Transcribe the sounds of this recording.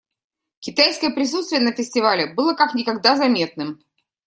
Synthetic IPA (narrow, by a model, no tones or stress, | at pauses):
kʲɪt̪ajskəjəpɾʲɪsut̪st̪vʲɪjənəfʲɪsʲtʲɪvalʲɪbɨlˠəkaknʲɪkɐɡd̪azɐmʲe̞t̪̚nɨm